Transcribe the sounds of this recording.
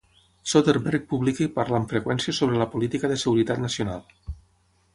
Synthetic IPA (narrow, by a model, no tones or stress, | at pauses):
sot̪eɾbɛɾk̚puβlikipaɾlaɱfɾəkwɛnsiəsoβɾələpulit̪ikəðəsəɣuɾit̪at̪nəsiona̰lˠ